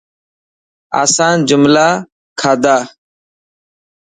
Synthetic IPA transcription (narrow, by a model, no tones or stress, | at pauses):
a̰ːsãːnd͡ʒʊmlaː | kʰaːd̪aː